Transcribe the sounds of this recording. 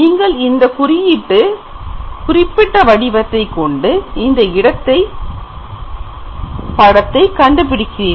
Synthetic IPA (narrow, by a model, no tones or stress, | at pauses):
niːŋɡɐɭɪnd̪ɐkʊɾɪjiʈːɯ | kʊrɪpːɪʈːɐʋɐɽɪʋɐt̪ːɐɪkːɔɳɖɯɪnd̪ɐɪɽɐt̪ːɐɪ | pɐɽɐt̪ːɐɪkɐɳɖɯp̬ɪɽɪkːɪreː